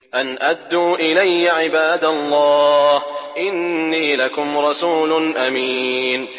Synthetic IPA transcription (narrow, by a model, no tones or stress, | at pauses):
ʔanʔad̪ːuːʔɪlajːaʕɪbaːd̪alˤːɑːhʔɪnːiːlakʊmɾˤɑsuːlʊnʔamiːn